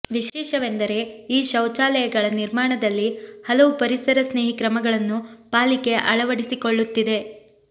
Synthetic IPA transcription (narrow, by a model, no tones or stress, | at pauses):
ʋiʃɛːʃɐʋe̞nd̪ɐɾe̞iːʃɐwt͡ʃaːlɐjɐɡɐɭɐniɾmaːɳɐd̪ɐlːihɐlɐʋupɐɾisɐɾɐsne̞ːɦikɾɐmɐɡɐɭɐnːupaːlike̞ʔɐɭɐʋɐɽisiko̞ɭːut̪ːid̪e̞